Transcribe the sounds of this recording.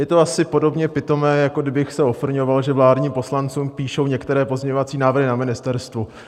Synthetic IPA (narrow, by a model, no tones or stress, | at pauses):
jɛt̪oasɪpo̞do̞bɲɛpɪt̪o̞mɛːjakodɪbɪxsɛofl̩ɲo̞valʒɛvlaːdɲiːmpo̞slant͡suːmpiːʃo̞wɲɛkt̪ɛɾɛːpozɲɛɲovat͡siːnaːvr̩ɦɪnamɪnɪst̪ɛɾst̪vu